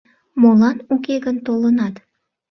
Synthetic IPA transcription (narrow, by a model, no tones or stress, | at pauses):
molɑnukeɡənt̪olənɑt̪